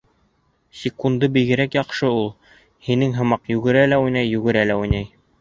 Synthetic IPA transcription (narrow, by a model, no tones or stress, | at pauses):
sʲɪkund̪ɤbiɣɘ̆ɾækjɑqʃɤulˠ | hinɘŋɦɤ̆mɑqjʉɡɘ̆ɾælæujnæjːʉɡɘ̆ɾælæujnæj